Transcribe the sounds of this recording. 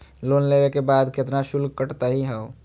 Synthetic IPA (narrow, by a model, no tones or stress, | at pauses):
loːnlewekebaːd̪ket̪naʃulɡ̚kəʈt̪aɦiɦɛo